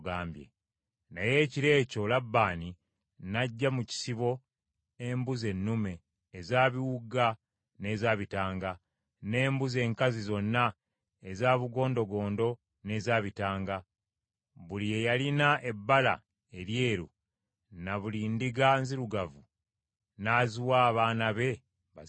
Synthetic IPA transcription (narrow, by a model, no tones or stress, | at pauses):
ɡaːmbjḛ | naje̞ːciɾe̞ːco̞labːaːni | naɟːamuci̥siβo̞ | e̞mbuze̞nːume̞ː | zaːβiwuɡa | ne̞zaːβitaːŋɡa | ne̞ːmbuze̞ːŋkazizo̞nːa | e̞zaːβuɡo̞ːndo̞ɡo̞ːndo̞ | ne̞zaːβitaːŋɡa | βulie̞jalinaʔe̞bːala̰ | e̞lje̞ːɾṵ | naβulindiɡanziɾuɡavu | naːzuwaːβaːnaβe̞